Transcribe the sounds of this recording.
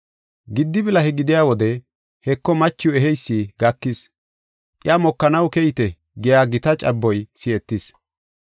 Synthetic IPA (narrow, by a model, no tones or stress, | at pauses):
ɡɪd̪ːɪbɪlɐhɛɡɪd̪ɪjaːwɔd̪ɛ | hɛkːɔmɐt͡ʃːɪjʊɛɦɛjsːiɡɐkːɪs | tʼɪjaːmɔkːɐnɐwkɛjɪt̪ɛ | ɡɪjaːɡɪt̪ɐt͡ʃʼɐbːɔjsɪɛt̪ːɪs